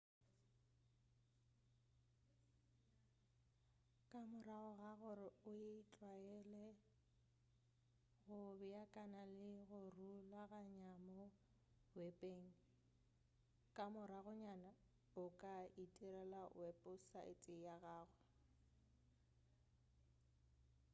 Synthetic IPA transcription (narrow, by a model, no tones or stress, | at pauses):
kʼamʊɾaɣʊɣaɣʊrɪʊjeit͡ɬʼwaɛlɛ | ɣʊbɛjakʼanalɪɣʊrulaɣaɲamɔ | wɛpʼeːŋ̩ | kʼamʊɾaɣʊɲana | ʊkʼaitʼiɾɛla̰wɛpʼʊsa̰ʔɪ̰t͡sʼɪjaɣaːɣʊ